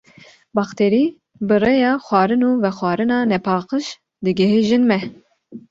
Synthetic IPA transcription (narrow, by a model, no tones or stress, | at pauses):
bɑxt̪ʰeɾi | bɨrejɑːxʷwɑːɾɨnuːvɛxwɑːɾɨnɑːnɛpʰɑːqɨʃ | d̪ɨɡɛɦiʒɨnmɛ